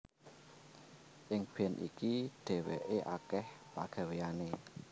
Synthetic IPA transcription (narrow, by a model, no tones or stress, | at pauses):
ʔɪŋb̥ɛ̤nʔḭkiɖ̥ɛ̤wḛʔeʔa̰kɛhpa̰ɡ̥a̤wejane